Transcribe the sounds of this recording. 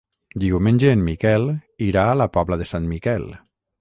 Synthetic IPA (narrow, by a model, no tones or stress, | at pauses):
d̪iwmẽnʲʒeːmmikɛliɾaːləpɔβləðəsanmikɛl